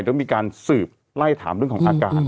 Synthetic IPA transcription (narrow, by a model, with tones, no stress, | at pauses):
t̪ːmiː˧kaː˧nsɯː˨˩p̚ | la˥˩jt̪ʰa̰ː˩˦mɾəŋkʰːɔ˩˥˦ʔaː˨˧ka̰ː˨˩t̪